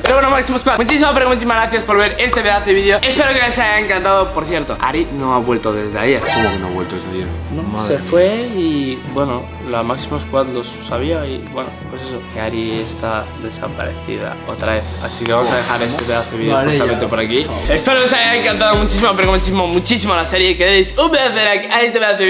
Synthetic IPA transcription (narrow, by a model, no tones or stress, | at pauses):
peɾoβwenomaksimoskwamut͡ʃisimapɾeɣunt͡ʃ̪isimazɣɾaθjaspo̞ɾβ̞e̞ɾe̞st̪eβeðaθeβiðjo̞e̞spe̞ɾo̞kenesajaeŋkant̪aðopo̞ɾθje̞ɾt̪oa̰ɾino̞aβwe̞lt̪oðe̞zðea̰iainasinoaβwe̞lt̪oezðenomasefwe̞ibwe̞no | lamaksimoskwand̪osːaβiaibweno̰pwe̞ses̬o̞keaɾiest̪aðe̞sa̰pa̰ɾḛθḭða̰o̞t̪ɾaβe̞θa̰sikeβamosaðexaɾest̪eβeaθeβiðjusammẽnt̪epoɾakiespe̞ɾokes̬eajaeŋkant̪aðomut͡ʃis̬imopeɾomt͡ʃisimomut͡ʃis̬imolase̞ɾje̞keðeisubeaθeɾakaest̪eβeaθe